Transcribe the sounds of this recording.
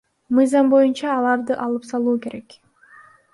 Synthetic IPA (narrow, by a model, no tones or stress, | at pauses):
mɯjzɑmbo̞junt͡ʃɑːlˠɑɾd̪ɯʔɑlˠɯpsɑlˠuːke̞ɾe̞k